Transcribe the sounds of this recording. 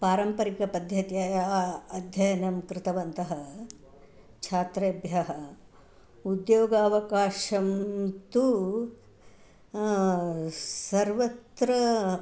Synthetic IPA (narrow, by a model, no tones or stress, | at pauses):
paːɾɐmpɐɾikɐpɐd̪ʱjɐt̪jɐjaːɐd̪ʱjɐjɐnɐmkɾɪt̪ɐʋɐnt̪ɐɦɐ | t͡ʃʰaːt̪ɾeːbjɐɦɐ | ud̪joːɡaːʋɐkaːʃɐmt̪u | sɐɾʋɐt̪ɾɐ